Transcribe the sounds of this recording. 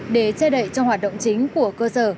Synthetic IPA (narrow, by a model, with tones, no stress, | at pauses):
ɗe˧˩t͡ɕɛ˧ɗə̰˧˨jt͡ɕɔ˧hwaː˨˩t̚ɗə̰˧˨wŋ͡mt͡ɕï˨˦ŋ̟ku˧˩əkəː˧səː˧˩